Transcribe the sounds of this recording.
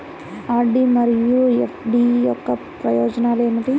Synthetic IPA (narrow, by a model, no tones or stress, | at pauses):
aːɾɖimɐɾijuefʰɖijɔkːɐ | pɾɐjoːd͡ʒɐnaːleːnɐt̪i